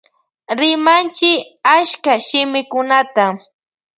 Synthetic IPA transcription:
ɾɪmant͡ʃɪ | aʃkaʃɪmɪkʊnat̪a

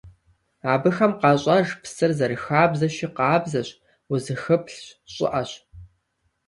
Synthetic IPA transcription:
aːbɨxɐmqɑːɕʼɐʒpʰsɨrzɐɾɨxaːbzɐʃiqɑːbzɐɕ | uzɨxɨpɬɕɕʼɪ̰ʔɐɕ

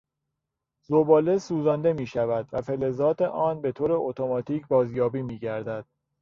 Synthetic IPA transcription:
zobɒːlesuːzɒnd̪e̞miːʃævæd̪væfele̞zɒːt̪ʰeʔɒːnbe̞t̪ʰoːɾe̞ot̪ʰo̞mɒːt̪ʰiːcʰbɒːzjɒːbiːmiːɟæɾd̪æd̪̥

